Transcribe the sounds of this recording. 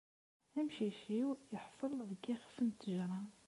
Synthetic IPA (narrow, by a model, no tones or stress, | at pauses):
æmʃiʃiwjəħfəlˤðəɡixfənt̪ːəʒɾˤɑ